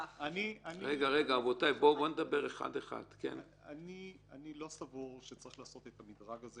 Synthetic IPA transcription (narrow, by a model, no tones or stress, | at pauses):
aniaʁeɡaʁeɡaːvo̞tajbo̞bo̞ned̪abe̞ʁeχa̰deχa̰d̪̥kḛn | anianilo̞savuʁʃet͡saʁiχlaːso̞t̪et̪amid̪ʁaɡaze